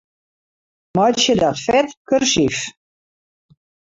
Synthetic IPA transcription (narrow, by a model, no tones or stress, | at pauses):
mɔjtsjədɔtfɛtkørsif